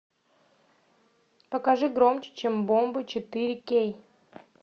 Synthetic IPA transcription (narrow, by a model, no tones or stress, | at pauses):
pəkaʐɨɡɾomt͡ɕɪ̥t͡ɕembombɨt͡ɕɪt̪ɨɾʲɪkʲej